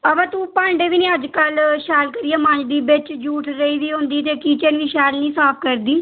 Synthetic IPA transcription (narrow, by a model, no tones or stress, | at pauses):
əbãːt̪uːpãːɳɖeːʋiːnĩːəd͡ʒkəlʃɛːlkəɾiːaːmə̃ɲd͡ʒd̪iːbɪt͡ʃd͡ʒuːʈʰɾəiːʋiːɦõnd̪iːt̪eːkiːt͡ʃənʋiːʃɛːlnĩːsaːpʰkəɾd̪iː